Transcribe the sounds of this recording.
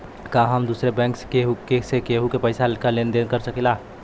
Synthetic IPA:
kaɦəmd̪uːsɾebɛ̃ŋkskeɦukesekeɦukepəɪsalikalend̪enkəɾsəkila

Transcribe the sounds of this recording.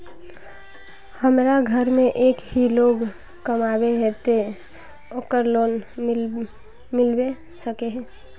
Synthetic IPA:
həmɾaɡʱəɾmẽʔeːkɦiloːɡ | kəmabeɦet̪e | oːkəɾloːn | mɪlbe | səkeɦɛ̃ː

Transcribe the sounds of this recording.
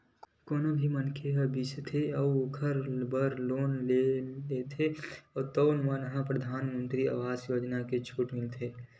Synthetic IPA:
koːnobʱimənkʰeɦəbist̪ʰeɔʊkʰəɾbəɾloːnlelet̪ʰeɔːɾt̪oːnmənəɦãpɾəd̪ʱaːnmə̃nt̪ɾia̰ʋaːzjoːd͡ʒnaket͡ʃʰuːʈmɪlt̪ʰeː

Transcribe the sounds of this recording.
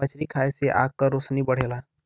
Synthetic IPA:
ət͡ʃɾikʰajseʔa̰kkːəɾosnibəɽ̤ela

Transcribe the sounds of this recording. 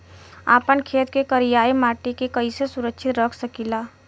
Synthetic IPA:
a̰ːpənkʰeːt̪kekəɾijaːimaːʈikekəisesʊɾəkʃʰɪt̪ɾəkʰsəkilaː

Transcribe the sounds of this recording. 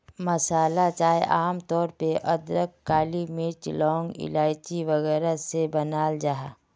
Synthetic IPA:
məsaːlat͡ʃaːeʔaːmt̪ɔːɾpeʔɐd̪ɾəkːaːlimɪt͡ʃlɔːŋɡɪ̰laːɪt͡ʃiʋəɣɛːɾasebənaːld͡ʒaːɦa

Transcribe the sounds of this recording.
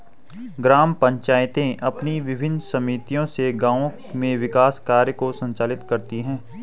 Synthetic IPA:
ɡɾaːmpɐ̃ɲt͡ʃaːjɪt̪ẽʔɐpniʋɪbʱɪnsɐmiːt̪ijõseɡãːõ | mẽʋɪkaːskaːɾjəkosɐ̃ɲt͡ʃaːlɪt̪kɐɾt̪iɦɛ̃ː

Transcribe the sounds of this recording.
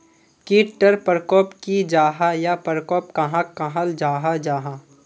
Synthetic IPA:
kiːʈʈːəɾpəɾkɔːpkid͡ʒaːɦajapəɾkɔːpkɐɦãkɐɦald͡ʒaːɦad͡ʒaːɦã

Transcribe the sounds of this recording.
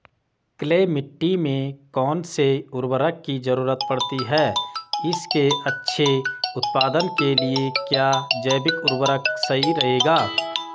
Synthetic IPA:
kleːmɪʈːimẽkɔːnseʊɾwəɾəkːid͡ʒəɾuːɾət̪̚pɐɽt̪iɦɛːɪskeɐtːʃʰeʊt̪paːd̪ənkeliekjaːd͡ʒəːbɪkʊɾwəɾəksɐɦiɾɐɦeːɡaː

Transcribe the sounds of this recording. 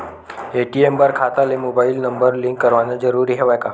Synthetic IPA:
eʈiembaɾkʰat̪alemobailnəmbəɾliŋkːəɾʋanəd͡zəɾuɾiːɦeʋajka

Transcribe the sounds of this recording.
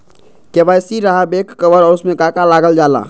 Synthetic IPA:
kebajsiɾaɦabekːəbəɾɔɾusmẽkakalaɡəld͡ʒala̰

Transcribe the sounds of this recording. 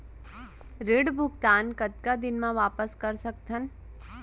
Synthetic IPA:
ɾeːɽbʱʊɡt̪aːnkɐt̪̚kad̪ɪnmãʋaːpəskɐɾsɐkt̪ɦən

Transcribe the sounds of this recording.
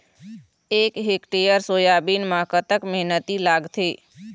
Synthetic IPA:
ekɦekʈejəɾsoːjabinmãkət̪əkməɦnət̪ilaːɡt̪ʰeː

